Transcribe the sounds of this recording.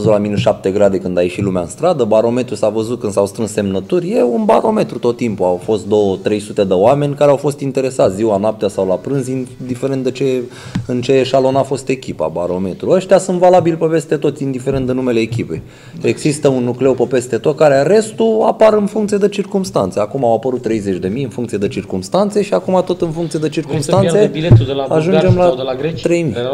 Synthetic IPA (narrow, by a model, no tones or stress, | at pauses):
əzut̪laminuʃap̚t̪e̞ɡɾad̪e̞kɨnd̪ajeʃilumeaɨnst̪ɾad̪əbaɾo̞me̞t̪ɾusavəzut̪̚kɨnsawst̪ɾɨnse̞mnət̪urʲje̞unba̰ɾo̞me̞t̪ɾut̪o̞t̪ːimpuawfo̞st̪̚d̪o̞wət̪ɾe̞jsut̪e̞d̪əoame̞nʲkaɾeawfo̞st̪int̪e̞ɾe̞sat̪sʲziwanap̚t̪easawlapɾɨnzind̪ifeɾent̪d̪et͡ʃe̞ | ɨnt͡ʃe̞ʃalo̞nafo̞st̪e̞kʲipa̰baɾo̞me̞t̪ɾuəʃt̪ʲasunt̪valabilpepe̞st̪et̪o̞t̪sʲind̪ifeɾe̞nt̪ɨnume̞le̞ːkʲipej | eɡzist̪əunːukle̞wpəpe̞st̪e̞t̪o̞t̪̚kaɾeare̞st̪ua̰paɾɨnfuŋkt̪sied̪e̞t͡ʃirkumst̪a̰nt̪seakumawapəɾut̪ːɾe̞jze̞t͡ʃʲd̪e̞mijɨnfuŋkt̪sied̪e̞t͡ʃirkumst̪ant̪se̞ʃiakumat̪o̞t̪ɨnfuŋkt̪sijed̪et͡ʃirkumst̪ansebiet̪eaaʒund͡ʒe̞mlaɡɾet̪ɾe̞jmi